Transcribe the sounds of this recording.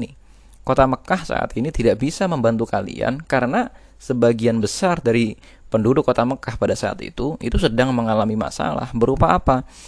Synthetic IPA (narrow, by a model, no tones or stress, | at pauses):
ni | kot̪aməkahsa̰ʔa̰t̪init̪idaʔbisaməmbant̪ukalḭa̰nkaɾəna | səbaɡianbəsardaɾi | pəndudʊkːot̪aməkahpadasaa̰t̪ḭt̪uʔḭt̪usədaŋməŋalamima̰sa̰la̰hbəɾupaːpa